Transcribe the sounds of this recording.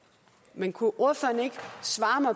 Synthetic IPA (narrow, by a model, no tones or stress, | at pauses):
menkʰuʔoɐ̰føɐne̝ɡ̥sʋɑ̈ːmɑ̈ɪ